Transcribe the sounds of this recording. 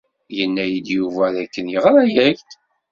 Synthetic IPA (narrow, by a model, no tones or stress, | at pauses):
jənːæjid̪juvæðækːənjəʁɾæjæçt̪